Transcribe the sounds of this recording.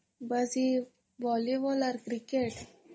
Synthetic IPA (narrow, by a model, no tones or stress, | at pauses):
bəzi | bɔliʋɔləɾkɾikeʈ